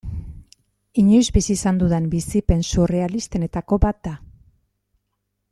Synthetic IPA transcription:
iɲojzbisiːsand̪uðembisipe̞nsure̞alist̪e̞ne̞t̪ako̞bat̪̚d̪a

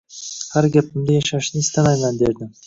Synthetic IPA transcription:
haɾɡʲap̚ɪmd̪ajaʃaʃnɪɪst̪amajmand̪e̞ɾd̪ɪm

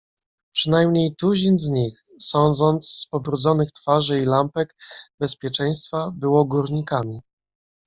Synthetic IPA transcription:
pʂɘnajmɲejt̪uʑinzɲix | sɔnd̪zɔnt̪sspɔbɾud̪zɔnɘxt̪faʐɘilampɛɡbɛspʲjɛt͡ʂɛj̃st̪fabɘwɔɡuɾɲikamʲi

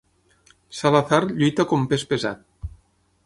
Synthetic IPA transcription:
salaθaɾʎujt̪akompespeza̰t̪̚

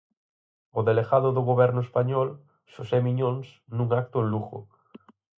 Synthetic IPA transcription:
oðeleɣaðʊðʊɣoβɛɾnʊespaɲɔl | ʃosemiɲõnsnũŋak̚t̪ʊenluɣo̰

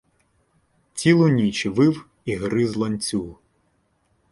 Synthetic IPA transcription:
t͡sʲilˠʊnʲit͡ʃiʋɪw | iɦɾɪzlˠɐnʲt͡sʲu

